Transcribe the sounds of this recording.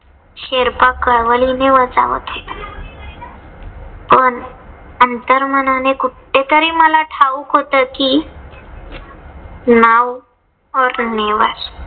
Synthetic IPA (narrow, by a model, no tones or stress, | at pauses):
ɕeɾpakəɭʋəlineʋəd͡za̰ʋə̰t̪ɦe | pəɳənt̪əɾmənanekuʈː | et̪əɾiːməlaʈʰaʋukɦot̪əki | naw | ɔɾneʋa̰ɾ